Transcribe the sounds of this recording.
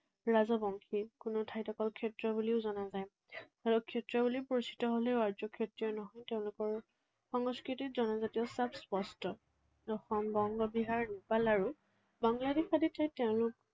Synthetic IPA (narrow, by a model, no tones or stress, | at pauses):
ɹazɔbɔŋkʰikʊnʊtʰajtɔkɔlkʰɛtɹɔbuliʊzɔnazaj | alɔkʰetɹɔbulipoɹisi̥tɔɦoleʊaɹd͡ʒɔkʰetɹiɔnɔɦɔjteʊ̃lʊkɔɹ | xɔŋskɹititzɔnazatiɔsabspɔstɔ | dɔxɔmbɔŋɡɔbiɦaɹnipalaɹu | baŋladixaditajteʊ̃lʊk